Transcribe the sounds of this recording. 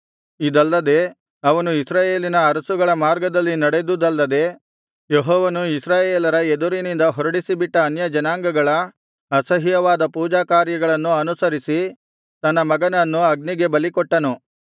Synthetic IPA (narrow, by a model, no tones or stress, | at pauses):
id̪ɐlːɐd̪e̞ | ɐʋɐnuisɾaːje̞ːlinɐːɾɐsuɡɐɭɐmaːɾɡɐd̪ɐlːinɐɽed̪ud̪ɐlːɐd̪e̞ | jeɦɔːʋɐnuisɾaːjeːlɐɾɐed̪uɾinind̪ɐɦɔɾɐɽisibiʈːɐːnjɐd͡ʒɐnaːŋɡɐɡɐɭɐ | ɐsɐɦijɐʋaːd̪ɐpuːd͡ʒaːkaːɾjɐɡɐɭɐnːuɐnusɐɾisi | t̪ɐnːɐmɐɡɐnɐnːuɐɡ̚niɡe̞bɐlikɔʈːɐnu